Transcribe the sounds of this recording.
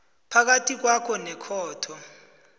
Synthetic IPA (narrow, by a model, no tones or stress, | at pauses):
pʰak̬atʰʼik̬wakʰɔnɛkʰɔːtʰɔ